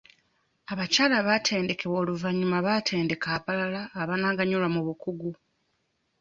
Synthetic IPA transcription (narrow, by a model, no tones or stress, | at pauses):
aβacaːlaβatʰe̞ːnde̞ke̞βo̞ːluvaɲːumaβatʰe̞ːnde̞kaːpalalaːβanaɡaɲulamuβukuɡu